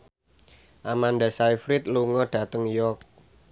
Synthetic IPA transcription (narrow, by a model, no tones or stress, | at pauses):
ʔamandasaifɾɪt̪̚luŋɔɖ̥ä̤t̪əŋjɔk̚